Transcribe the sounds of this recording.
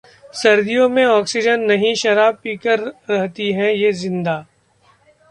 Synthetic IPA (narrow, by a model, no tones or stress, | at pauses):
sɐɾd̪ijõmẽɔːksɪd͡ʒənːɐɦĩʃɐɾaːb̚piːkəɾːɛɦt̪iɦɛ̃jezɪ̃nd̪aː